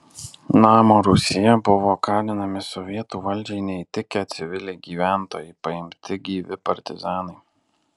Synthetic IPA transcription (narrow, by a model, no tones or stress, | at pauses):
nɑːmoːɾʊsʲɪjɛbʊʋoːkɑːnʲɪnɐmʲɪsɔʋʲiɛt̪uːʋɐlʲˑd͡ʒʲɛɪnʲɛɪt̪ʲɪkʲɛt̪ʲsʲɪʋʲɪlʲɛɪɡʲiːʋʲæˑnt̪o̰ːjɛɪpɐɪmʲt̪ʲɪɡʲiːʋʲɪpɐɾʲt̪ʲɪzɑːnɐɪ